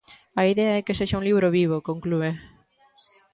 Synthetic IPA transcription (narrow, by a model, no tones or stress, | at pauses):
ɐiðeɐɛkeseʃaũliβ̞ɾoβiβ̞okõŋklue